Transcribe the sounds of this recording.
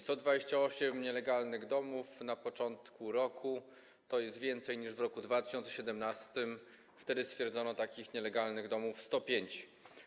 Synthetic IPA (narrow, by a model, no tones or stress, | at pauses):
st̪ɔd̪vad͡ʑeɕt͡ɕaɔɕɛmɲɛlɛɡalnɘɣd̪ɔmufnapɔt͡ʂɔnt̪kʰuɾɔkʰu | t̪ɔjɛst̪vʲjɛnt̪sɛjɲiʐvɾɔkud̪vat̪ɘ̥ɕɔnt̪sɛɕɛd̪ɛmnast̪ɘm | ft̪ɛd̪ɘst̪fʲjɛɾd̪zɔnɔt̪akʲixɲɛlɛɡalnɘɣd̪ɔmufst̪ɔpʲjeɲt͡ɕ